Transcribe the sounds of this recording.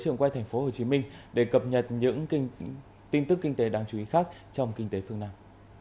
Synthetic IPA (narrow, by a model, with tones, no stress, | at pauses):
jt͡ɕɨ̰˧˨ŋkwa˧jt̪ʰjŋ̟fo˨˦ho˨˩t͡ɕi˨˦mï˧ŋ̟ɗe˧˩kə˨˩p̚ɲə˨˩t̚ɲɨ̰˧˥ŋ˧ | t̪i˧nt̪ɨ˦˥kːi˧ŋ̟t̪e˨˦ɗaː˧ŋt͡ɕu˨˦i˨˦xaː˦˥k̚t͡ɕɔ˧wŋ͡mkï˧ŋ̟t̪e˨˦fɨ˧əŋnaː˧m